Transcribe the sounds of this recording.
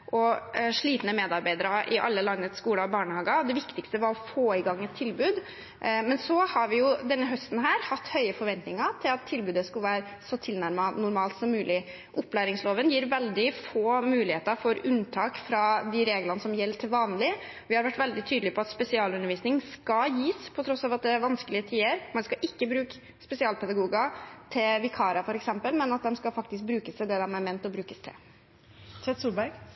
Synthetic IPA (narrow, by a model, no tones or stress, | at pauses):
ʔɔʂɭiːt̪nəmeːd̪ɑɾbæɪd̪əɾəʔɪʔɑ̰lːəlɑnːət̪skuːləɔbɑːɳəhɑːɡəɔd̪ɛʋɪkt̪ɪkst̪əʋɑɾɔfoːɪɡɑŋːɛt̪ʰːɪlbʉːd̪ | mɛnsɔhɑɾʋɪjʊd̪ɛnːəɦœst̪n̩ɦæːɾhɑt̪ːhœʏəfɔɾʋɛnt̪nɪŋət̪ʰɪlɑt̪ʰːɪlbʉːd̪əskʉlʋæːɾ | sɔt̪ʰɪlnæɾmɑnʊɾmɑːlt̪sɔmːʉːlɪ | ʔʊpːlæːɾɪŋsloːʋənjiːɾʋɛld̪ɪfoːmʉːlɪheːt̪əɾfɔɾʉnt̪ʰɑːkfɾɑd̪ɪɾeːɡlɑnəsɔmjɛlːt̪ʰɪlʋɑːnlɪ | ʋɪhɑɾʋæʈːʋɛld̪ɪt̪ʰyːd̪l̩ɪpʰɔɑt̪spɛsɪɑːlʉnəɾʋiːsnɪŋskɑjiːspʰɔt̪ʰɾɔsːɑːʋɑt̪̚d̪ɛæɾʋɑnskəlɪət̪ʰiːəɾmɛnskɑʔɪkːəbɾʉːk | spɛsɪɑːlpʰɛd̪ɑɡuːɡɑt̪ʰɪlʋɪkʰɑːɾɑfɔɾɛksɛmpəlmɛnɑt̪̚d̪ɛmskɑfɑkt̪ɪsk̚bɾʉːkəst̪ʰɪd̪ɛd̪ɛmæmeːnt̪ɔbɾʉːkəst̪ʰɪ̰ | sʰɛt̪suːbæɾɡ